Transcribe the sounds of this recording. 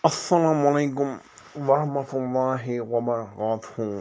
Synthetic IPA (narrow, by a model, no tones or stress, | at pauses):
ʔasːalaːmʊʔalajkʊm | wɑɾˤɑhmat̪lˤːɑːɦɪwamaːɣaːt̪hʊ